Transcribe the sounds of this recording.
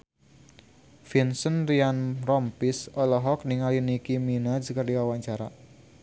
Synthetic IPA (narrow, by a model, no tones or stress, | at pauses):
finsənrianrɔmpisɔlɔɦɔk̚niŋalinikiminad͡ʒkərdiwawaɲt͡ʃaɾa̰